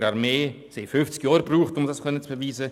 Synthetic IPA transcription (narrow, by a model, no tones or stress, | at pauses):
ɾaɾmeː | seɪfʏft͡skjɔːɾbruːχtʊmdɑskʰœnət͡sb̥əviːzə